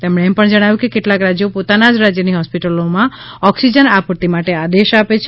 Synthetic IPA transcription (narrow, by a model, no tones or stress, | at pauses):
t̪emɽ̃eːmpəɳd͡ʒəɽ̃aʋjũkekeʈlakɾad͡ʒjopot̪anad͡ʒɾad͡ʒjəniɦɔspiʈəlomãɔksid͡ʒənapuɾt̪imaʈead̪eʃapet͡ʃʰ